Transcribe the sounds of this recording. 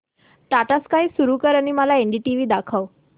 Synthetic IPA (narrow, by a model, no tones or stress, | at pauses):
ʈaʈaskaɦiːsuɾuːkəɾañiːməlaeɳɖiːʈiʋiːd̪akʰəʋ